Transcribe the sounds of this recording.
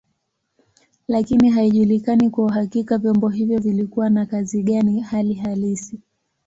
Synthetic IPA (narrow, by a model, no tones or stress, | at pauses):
lakiniɦaiʄulikanikwauɦakikavjɔmbɔɦivjɔvilikuwanakaziɠanihaliɦalisi